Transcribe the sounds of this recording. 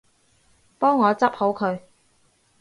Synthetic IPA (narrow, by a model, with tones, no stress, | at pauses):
pɔː˥ŋːɔː˨˧t͡sɐ˥p̚ho˨˥wkʰɵ˨˧ɥ